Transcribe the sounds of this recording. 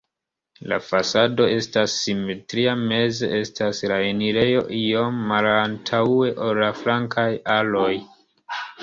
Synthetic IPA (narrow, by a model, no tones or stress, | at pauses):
la̰fasado̞e̞stasːime̞tɾiame̞ze̞̰ʔe̞staslaeniɾe̞jo̞ʔio̞mːalantʰae̞ʔolːaflaŋkʰajalo̞j